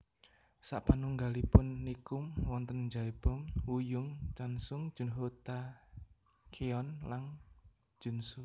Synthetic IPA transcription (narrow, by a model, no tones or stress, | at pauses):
sa̰ʔpanuŋɡalipʊnːikʊmwɔnt̪ənd͡ʒaib̥ɔ̤mwujʊŋt͡ʃansʊŋ̥ʒ̥ʊ̤nɦot̪a | kʰeɔnlaŋ̥ | d͡ʒ̥ṳnsu